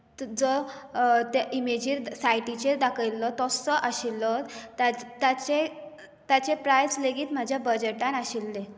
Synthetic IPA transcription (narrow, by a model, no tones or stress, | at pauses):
t̪d͡zɔ | t̪eʔimed͡ʑiɾsajʈit͡ɕeɾd̪akʰəjlːɔt̪ɔsɔʔaɕilːɔt̪at̪at͡ɕe | t̪jat͡ɕepɾajsleɡiːt̪m̤ad͡ʑʱjabəd͡ʑeʈanaɕilːe